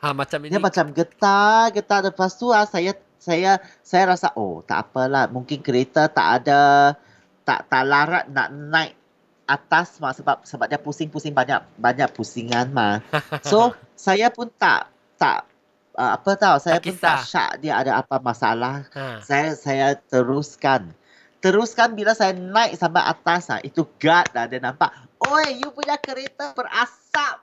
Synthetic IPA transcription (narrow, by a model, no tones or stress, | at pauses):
diamat͡ʃamɡət̪aɡət̪adəpast̪ulahsaja | saja | sajaɾasaʔo̰t̪a̰ʔa̰pəlahmuŋkɪnkəɾet̪at̪a̰ʔada | t̪a̰ʔt̪aʔlaɾa̰t̪̚na̰ʔnãjʔ | at̪asmasəbap̚səbap̚diapusɪŋpusɪŋbaɲa̰ʔbaɲaʔ̚pusiŋanmaso | sajapʊnt̪a̰ʔ | t̪a̰ʔ | əapət̪awsajjaʊnt̪aʔʃa̰ʔdiaa̰daapamasa̰lahsajasajat̪əɾuskan | t̪əɾuskanbilasajanãjʔ̚sama̰ʔa̰t̪asma̰ʔit̪uɡat̪̚lahdianãmpaʔ | oejupuɲakəɾet̪abərasap̚